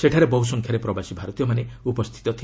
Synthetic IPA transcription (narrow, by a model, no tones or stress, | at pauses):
seʈʰaɾebɔɦus̬ɔŋkʰjaɾepɾɔbasibʱaɾɔt̪ijɔmaneupɔst̪ʰi̥t̪ɔt̪ʰi